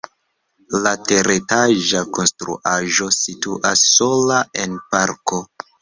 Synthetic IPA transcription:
late̞ɾetaʒako̞nstɾṵʔaʒo̞situʔasːo̞laʔe̞npaɾko̞

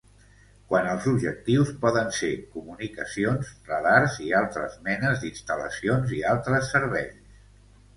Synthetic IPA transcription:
kwanəlˠzubʒək̚t̪iwspɔðənsekumunikəsionsrəðaɾzialˠt̪ɾəzmɛnəzd̪inst̪ələ̰sionzialˠt̪ɾəsːəɾβɛʎs

